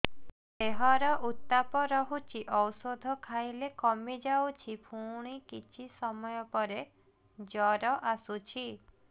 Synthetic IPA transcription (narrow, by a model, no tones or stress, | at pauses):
eɦɔɾɔʔut̪ːapɔɾɔɦut͡ʃʰiʔɔwsod̪ʱɔkʰajlekɔmid͡ʒawt͡ʃʰipʰuɽ̃ikit͡ʃʰisɔmɔjɔpɔɾe | d͡ʒɔɾɔʔasut͡ʃʰi